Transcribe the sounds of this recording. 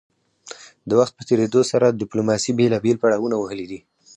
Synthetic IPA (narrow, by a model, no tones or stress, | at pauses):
d̪əwaxt̪̚pət̪eɾed̪osaɾad̪ɪplomɑsibelɑbelpaɽɑwunawəɦəlid̪i